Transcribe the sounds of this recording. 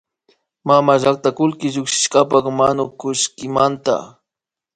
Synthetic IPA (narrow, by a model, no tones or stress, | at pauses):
mamaʒak̚t̪akʊlkɪʒʊkʃɪ̥ʃkapɑkmanʊkʊʃkɪmant̪a̰